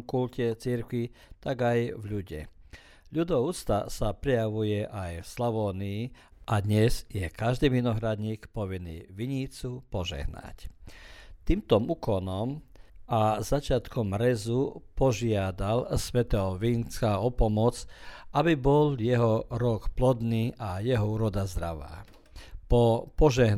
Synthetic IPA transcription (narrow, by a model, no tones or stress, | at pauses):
kulcɛt͡siɾkʋit̪aɡajvʎuɟɛ̰ | ʎud̪ɔuːt͡st̪a̰sapɾɛjaʋujɛʔajfslɔʋɔːniː | ʔad̪ɲɛzjɛkaʒd̪iːminɔɦɾad̪ɲiːkpɔʋinḭːʋiɲiːt͡supɔʒɛ̰ɦna̰c | t̪iːmt̪ɔmuːkɔnɔmazat͡ʃɪat̪kɔmɾɛzupɔʒɪad̪alsʋɛt̪ɛɦɔʋiːnt͡skaɔpɔmɔt͡sʔabibɔljɛɦɔɾɔkplɔd̪niːʔajɛɦɔuːɾɔd̪azd̪ɾaʋa̰ː | pɔpɔʒɛɦ